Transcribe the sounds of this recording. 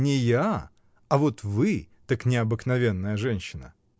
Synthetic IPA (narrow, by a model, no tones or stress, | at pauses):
nʲɪja | ɐvo̞t̪vɨ | t̪ɐknʲɪɐbɨknɐvʲe̞nːəjəʐɛnʲɕːɪnə